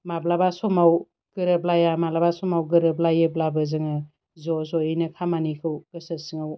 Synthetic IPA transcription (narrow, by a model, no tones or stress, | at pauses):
mablabasɔmaw | ɡ̥ɯɾɯblajamalabasɔmawɡɯɾɯblajɯblabɯzɯŋɯ | zɔzɔinɯkʰamanikʰɯwkɯsəsɯŋaw